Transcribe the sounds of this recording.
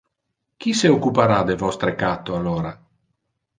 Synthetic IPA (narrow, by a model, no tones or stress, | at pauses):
k̟iseokːupaɾad̪evɔst̪ɾekat̪ːoaloːɾa